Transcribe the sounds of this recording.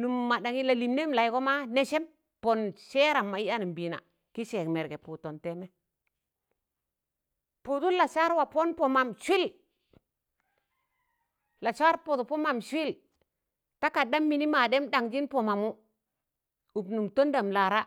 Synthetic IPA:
nu˨mːa˨ɗa˨ŋi˦la˨li˨mne˦mla˨i˦ɡo˦ma˦ne˦ʃe˦m | po˨nʃe˦ɾa˨mːa˨i˦a˦ni˨mbi˨na̰˨ | ki˦ʃe˨kme˨ɾɡe˨pu˨to˨nte˦mɛ˦ | pu˨tu˦la˨sa˦ɾwa˨po˦npo˨ma˨mʃʷi˦l | la˨t͡ʃa˦ɾpo˨tpo˦ma˨mʃʷi˦l | ta˦ka˨da˦mːi˨ni˦ma˨de˦mda˨ŋd͡ʒi˦npo˨ma˨mu˦ | u˨bnu˨mto˦nda˨mla˨ɾa˦

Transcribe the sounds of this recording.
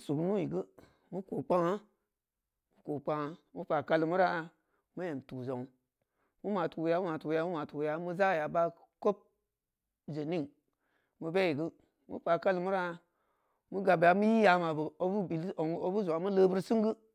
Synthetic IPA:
su˨knu˦ji˨ɡɨ˦ | mu˦ko˨k͡pa˦ŋa˦ | mu˦ko˨k͡pa˦ŋa˦mu˦pa˨ka˦li˨mu˦ɾa˦˨ | mu˦je˨mtu˨zo˨ŋ˨ | mu˦ma˨tu˨ja˨˦mu˦ma˨tu˨ja˦mu˦ma˨tu˨ja˨˦mu˦za˦˨ja˨ba˦ | ko˦p̚ | ze˨ni˦ŋ | mɨ˧be˦ji˨ɡɨ˦ | mṵ˦pa˨ka˦lɨ˨mu˦ɾa˦ | mu˦ɡa˨bja˨mu˦ji˦ja˨˦ma˨bə˨o˨bu˦bi˨lo˨ŋ˦o˦bu˦zo˨a˨˦mu˦ləː˦bɨ˦ɾsi˦ŋɡɨ˦

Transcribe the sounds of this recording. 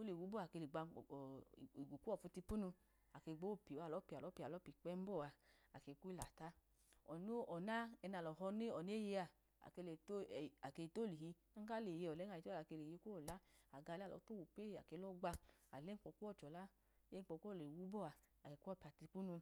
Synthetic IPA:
o˦le˨wu˨˦bɔ˦a˨ke˧le˨ɡ͡ba˧˨i˨ɡu˨ku˦ɔ˦˨fu˧ti˧pu˦nu˧ | a˨ke˧˨ɡ͡bo˦˨pi˨a˨lɔ˨˦pi˧˨a˨lɔ˨˦pi˧˨a˨lɔ˨˦pi˨k͡pɛ˦m̩˦bɔ˦˨a˧a˨ke˧ku˦i˦la˨ta˦ | ɔ˨no˦ɔ˨na˦ɛ˧na˨lɔ˨ɦɔ˧ne˦ɔ˨ne˦je˧a˧˨ | a̰˨ke˧le˨to˦˨a˨ke˧i˧to˦˨li˨ɦi˧ | a˦ŋ˦ka˦le˨je˧ɔ˨lɛ˨˦a˧˨i˧˦o˦˨a˨ke˧le˨je˧˦ko˦˨la˨˦a˨ɡa˧llɔ̰˨˦to˦wu˨pe˦˧˨a˨ke˧˦lɔ˦ɡ͡ba˧a̰˨le˦ŋ̩˦k͡pɔ˧ku˦ɔ˦˨t͡ʃɔ˨la˦ | je˦ŋ̩˦k͡pɔ˧ku˦˨le˨wu˨˦bɔ˦˨a˧ | a˨ke˧˦ku˦pi˧˨a˨ti˧pu˦nu˧

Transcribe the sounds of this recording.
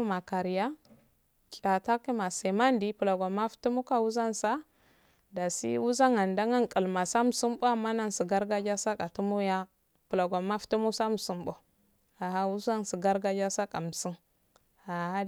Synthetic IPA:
ma˨ka˨ɾi˨ja˦ | kʼa˨ta˦ki˦ma˨se˨ma˦ndi˦pu˨la˨ɡa˨ma˦ftu˦mu˦ka˦wu˦za˦nsa˦ | da˨sḭ˦wu˦za˦ŋa˨nda˦ŋa˦ŋkʼi˨lma˨sa˦mu˨su˦mbo˦a˨mːa˦na˦nsi˨ɡa˦ɾɡa˦d͡ʒa˦sa˦ka˨tu˦mu˦ja˦ | pu˨la˨ɡa˨ma˦ftu˦mu˦sa˦mu˨su˦mbo˦ | a˨ɦa˦wu˦za˦nsi˨ɡa˦ɾɡa˦d͡ʒa˦sa˦kʼa˨m˨si˦n | a˨a˦

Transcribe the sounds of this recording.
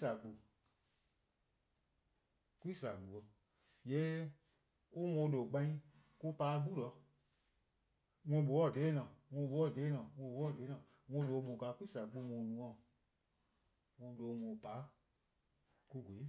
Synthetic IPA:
sa˨k͡pu˨ | ki˦sa˨k͡pu˨ɔ˧˨ | jɛː˦ | o˦mɔ̃˨˧˦lo˨k͡pã˧˦ĩ˦ | ku˦paː˨˦ɡu˦lɔ˨˧˦ | ŋɔ̃˧˨ɓo˨wɔ˦˨de˨˦nã˨ŋɔ̃˧˨ɓo˨˦ɔ˦˨de˨˦nã˨ŋõ˧˨˦ɓo˨˧˦ɔ˦˨de˨˦nãː˨ | ŋɔ̃˧˦lo˨˧mõ˨ka˧˦ku˦i˦sa˨k͡pu˧˦mõ˨nũ˧˨ɔ̃˦˨ | ŋɔ̃˧˦do˨˧mɔ̃˨paː˨˦ | ku˦ɡo˨i˦

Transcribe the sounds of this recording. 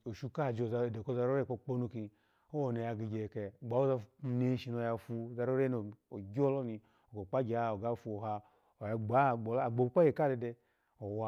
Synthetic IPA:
o˨ʃu˦˧ka˦˨d͡ʒo˨za˧˨de˨ko˦za˧ɾo˦ɾe˦˨k͡po˧k͡po˦nu˧ki˧ | o˦wo˨ne˧ja˧ɡi˧ɡʲe˨ke˧˨ɡ͡ba˨˦o˦za˧ne˦ʃi˧no˧ja˧fu˧˨za˧ɾo˦ɾe˦no˨o˨ɡʲo˦lo˦ni˧ | o˨ɡo˨k͡pa˦ɡʲa˦˨o˨ɡa˦fu˧o˨ɦa˧ | o˨ja˧ɡ͡ba˨˦˨ɡ͡bo˨lːɡ͡bo˨˦k͡pa˦je˨ka˦˨de˧de˧ | o˨wa˧˨

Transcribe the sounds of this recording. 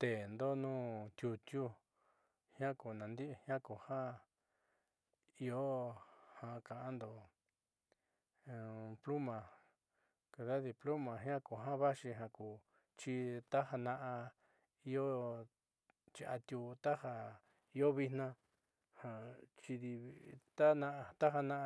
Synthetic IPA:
t̪e˨nd̪o˦nũː˦t̪ʲju˧t̪ju˦ | hj̃ã˦ku˨nã˨nd̪i˦ʔhj̃ã˦ku˨hã˦ | i˧o˦hã˧kã˨ʔa˦nd̪o˨˧ | plu˦mã˨ | ka˧ða˦ði˧plo˦mã˨ɦj̃ã˦ku˨ɦã˦βa˦ʃi˧ɦã˧ku˨ | t͡ʃi˧t̪a˦ɦa˧nã˧ʔã˧ | i˧o˦ | t͡ʃi˧a˧t̪ju˧t̪a˦ha˧ | i˦o˦βi˧nnã˧ | hã˧t͡ʃi˧ði˧t̪a˦nã˧ʔt̪a˦ɦa˧nã˧˦˧

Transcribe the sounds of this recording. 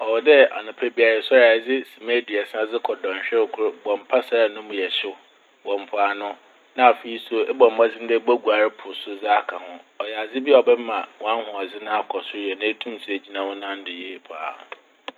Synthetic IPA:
ɔ˨wɔ˨dɛ˦a̰˨nʊ̃˨pʰa˦bi˦a˨ɾɛ˨sɔ˦ɾa˨d͡zɪ˦si˨mẽ˦di˨ɛ˨sã˦d͡zɪ˦kʰɔ˨dɔ̃˨ɕᶣɛ˦ɾɪ˨kʰʊ˦ɾʊ˦bɔ̃˨m̩˨pʰa˦sa˨ɾa˨nʊ̃˦mʊ̃˨jɛ˨ɕʊ˦ | wɔ̃˨m˨pʰʊ˨a˨nʊ̃˦ | nã˦a˨fe˨i˦so˦ɛ˦bɔ̃˨m̩˨mã˦d͡zɪ˦n̩˦dɛ˦ba˦ɡu˨a˨ɾɪ˦pʰʊ˨sʊ˦d͡za˦a˦kʰã˨hʊ̃˦ɔ˨jɛ˨a˨d͡zɪ˦bɔ˨bɛ˦mã˨wɔ̃˦ã˦nhʊ̃˨a˨d͡zɪ˦nã˦a˦kʰɔ˨sʊ˦ɾɛ˨nã˦e˦tʰũ˦m˨si˦e˨d͡ʑi˦nã˦wʊ̃˦nã˦n̩˦dɪ˨je˨pʰʊ˨a̰˨

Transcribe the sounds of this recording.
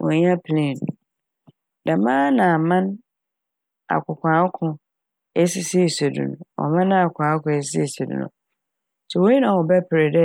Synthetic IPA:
ʔɔ̰̃˨ɲ˦a˦pʰlẽ˨n˨ | da˨mãː˦nã˨˦mã˦n | a̰˨kʰʊ˨kʷʰã˨˦kʰʊ̃˨ | ɛ˦si˨si˦˨se˨dṵ̃˦nʊ̰̃˨ɔ̰˨mã˦nã˦a˨kʷʰãː˨˦kʊ̃˨ɛ˦s̬i˨˦si˦˨se˨dṵ˦nʊ̰̃˨ | sɛ˨wo˦i˦nã˨wɔ˨bɛ˦pʰɪ˨ɾe˨dɛ˦

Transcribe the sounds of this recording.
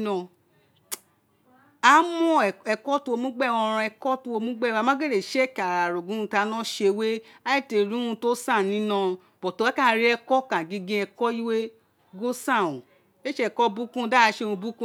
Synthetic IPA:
nɔ̃˧ | a˦mɔ̃˦˨ɛ˧kɔ˦tu˦˧o˧mũ˦ɡ͡bɛ˦˨wɔ̃˧ɾ̃ã˧ɛ˧kɔ˦tu˧o˧mũ˦ɡ͡bɛ˦˨wa˧mã˦ɡe˦˨ɾe˨ʃɛ˦˨ka˨a˨ɾo˨ɡũ˨˦ũ˧ta˧˦nã˦ʃe˧we˦ | a˦i˦˨te˧˨ɾĩ˦ũ˧to˦sã˦˨nĩ˦nã˧ | b̥ɔ˨to˧˦a˦ka˦˨˦ɾi˦ɛ˧kɔ˦kã˨ɡi˧ɡĩ˧ɛ˧kɔ˦i˦we˦ | ɡo˦sã˦˨õ˨ | e˦ʃe˧˨˧kɔ˦bu˦kũ˦˧˦da˦a˧˦ʃe˧ũ˧bu˦kũ˦

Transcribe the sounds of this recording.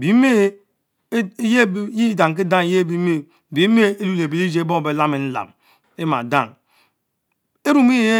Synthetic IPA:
bi˨˦me˦ | je˦ji˦da˨ŋ˨k̬i˦da˦ŋ˨˦je˦bi˦me˦˨ | bi˨˦me˦e˦lu˦le˨bi˨li˦d͡ʒe˦e˦bo˦ŋ˨be˨la˦me˨n̩˦la̰˨m | e˦ma̰˨da̰˦˨ŋ | e˦ɾu˦mi˦e˦

